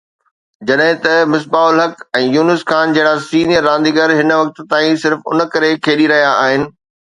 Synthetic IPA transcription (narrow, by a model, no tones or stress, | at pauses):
d͡ʑɐɗɦɪ̃t̪ɐmɪs̬baːʊlɦɐkɛ̃ːjuːnɪskaːnd͡ʑɐɦɪɽasiːnijəɾːãːnd̪iɡəɾɦɪnʋɐk̚t̪̆t̪aːĩsɪɾfʊ̰n̆kɐɾekʰeːɗiɾɐɦijaːɦɪnɪ̆